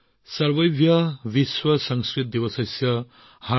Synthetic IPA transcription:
sɐɾbɐjbʱjɐbiswɐsɐŋskɾit̪̚d̪ibɐsajsjɐ | ha

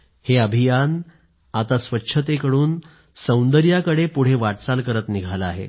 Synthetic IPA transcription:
heəbʱijan | at̪asʋətːɕʰət̪̬ekəɽuːn | sə̃wnd̪əɾjakəɽepuɽ̤eʋaʈt͡salkəɾət̪niɡʱalaaɦḛ

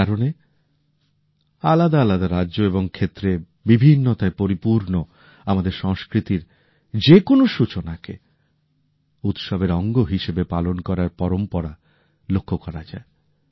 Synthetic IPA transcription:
aɾone | alad̪aalad̪aɾaːʑoeβoŋkʰet̪ːɾe | bibʱinːot̪aepoɾipuɾno | amad̪eɾʃɔŋskɾit̪iɾ | d͡ʑekonoʃut͡ɕonakḛ | ut̪ʃɔbeɾɔŋɡoɦiʃebepalonkɔɾaɾpɔɾompɔɾa | lokʰːokɔɾad͡ʑae

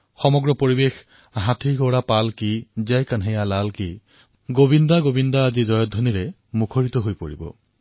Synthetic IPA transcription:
xɔmɔɡɹɔpoɹibex | ɦãt̪ʰiɡɔwɹapalkizɛjkanɦejalalki | ɡobindaɡobindaːzizɔjɔdʱːɔniɹɛ | mukʰoɹitɔɦojpoɹḭbɔ̰

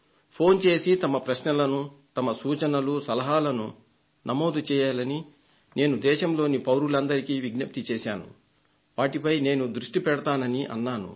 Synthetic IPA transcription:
pʰo̞ːnt͡ʃe̞ːsit̪ɐmɐpɾɐʃnɐlɐnut̪ɐmɐsuːt͡ʃɐnɐlusɐlɐɦaːlɐnu | nɐmoːd̪ut͡ʃɛːjaːlɐni | ne̞ːnud̪ɛːʃɐmlo̞ːnipɐwɾulɐnd̪ɐɾikiːʋiɡnɐp̚t̪it͡ʃɛːʃaːnṵ | ʋaːʈipɐjne̞ːnud̪ɾuʂʈipɛɽɐt̪aːnɐniʔɐ̰nːaːnṵ

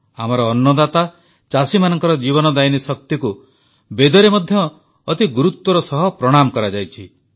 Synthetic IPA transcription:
amɔɾɔːnːɔd̪at̪a | t͡ʃasimanɔŋkɔɾɔd͡ʒibɔnɔd̪ajnisɔk̚t̪iku | bed̪ɔɾemɔd̪ʱjɔː | t̪iɡuɾut̪wɔɾɔsɔɦɔpɾɔɽ̃amɔkɔɾad͡ʒajt͡ʃʰi

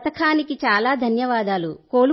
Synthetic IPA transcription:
t̪ɐkʰaːnikit͡ʃaːlaːd̪ʱɐnjɐʋaːd̪aːlukoːlu

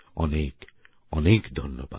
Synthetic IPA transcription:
ɔnek | ɔnekd̪ʱɔnːoba̰

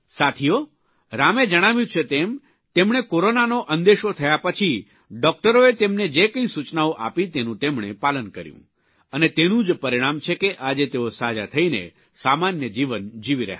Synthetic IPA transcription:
sat̪ʰijo | ɾamed͡ʒəɽ̃aʋjũt͡ʃʰet̪em | t̪emɳ̃ekoɾonanoʔənd̪eʃot̪ʰəjapət͡ʃʰi | ɖɔk̚ʈəɾoet̪emned͡ʒekə̃ĩsut͡ʃnaoʔapit̪enũt̪emɽḛpalənkəɾjṵ̃ | ənet̪enũd͡ʒpəɾiɽ̃amt͡ʃʰekeʔad͡ʒet̪eosad͡ʒat̪ʰəinḛ | samanjəd͡ʒiʋənd͡ʒiʋiɾɛ̰ɦ

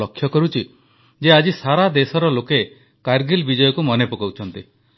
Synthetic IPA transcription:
ɔkʰːjɔkɔɾut͡ʃʰi | d͡ʒead͡ʒisaɾad̪esɔɾɔloke | kaɾɡilbid͡ʒɔjɔkumɔnepɔkawt͡ʃʰɔnt̪i

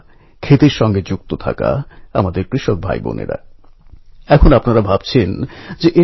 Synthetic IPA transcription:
kʰet̪eɾʃɔŋɡed͡ʑuk̚t̪ot̪ʰa̰ka̰amad̪eɾkɾiʃok̚bʱa̰jbo̰nḛɾa̰ | ɛkʰonapnaɾabʱab̥t͡ɕʰend͡ʑeʔe

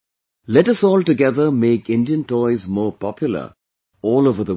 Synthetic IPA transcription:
lɛʈʌsɔːlʈɨɡɛðəmeːkɪ̃nɖiə̃ntɔɪzmɔːpɑpjʊl̩ə̰ | ɔːloːvəðə

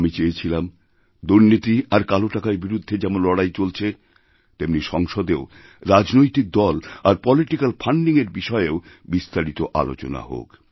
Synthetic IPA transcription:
amit͡ɕeet͡ɕʰilam | d̪uɾnit̪iaɾkaloʈakaɾbiɾud̪ʱːed͡ʑɛmonlɔɽajt͡ɕolt͡ɕʰe | t̪emniʃɔŋʃod̪eo | ɾad͡ʑnojt̪ik̚d̪ɔlaɾpɔliʈikalfaɳɖiŋeɾbiʃɔeeo | bist̪aɾit̪oʔa̰lo̰t͡ɕo̰na̰ɦo̰k

